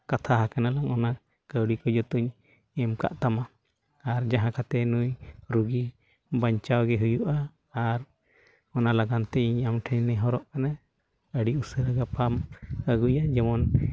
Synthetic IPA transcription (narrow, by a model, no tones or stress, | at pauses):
kat̪ʰaɦakanalaŋʔɔna | kəwɽikɔd͡ʒɔt̪uɲ | ɛmka̰ʔt̪ama | aɾd͡ʒaɦãkʰat̪ɛnujɾuɡi | baɲt͡ʃawɡɛɦujuʔaː | ɾ | ɔnalaɡant̪ɛiɲamʈʰɛɲnɛɦɔɾɔʔkana | əɽiusəɾəɡapaməɡujad͡ʒɛmɔn